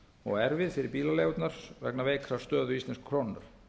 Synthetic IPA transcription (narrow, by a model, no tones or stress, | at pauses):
ɔ̰ɣɛɾvɪðfɪɾɪɾpiːlaleːɣʏt̪naɾ̥svɛ̰knaveːjkʰɾast̪œːðʏist̪ɛnskʰːɾownnaɾ̥